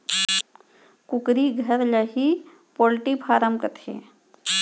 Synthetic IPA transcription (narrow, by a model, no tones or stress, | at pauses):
kʊkɾiɡʱɐɾlɐɦi | poːlʈipʰaːɾəmkɐt̪ʰḛː